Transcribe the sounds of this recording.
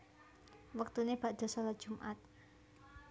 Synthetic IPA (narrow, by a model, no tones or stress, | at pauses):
wək̚t̪uneb̥a̤ʔd̪̥ɔ̤salḁʒ̥umʔat̪̚